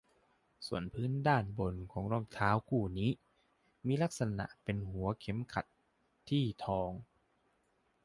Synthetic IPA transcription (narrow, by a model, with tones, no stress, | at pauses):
su˨˩ənpʰɯː˦˥ndaː˥˩nbo˧nkʰɔː˩˦ŋɾɔː˥˩ŋt̪ʰaː˦˥wkʰuː˥˩niː˦˥ | miː˧la˦˥k̚sa˧na̰˨˩ʔpe˧nhu˨˩˦ɐkʰe˨˦mkʰa˨˩t̪ʰː | iː˥˩t̪ʰɔː˧ŋ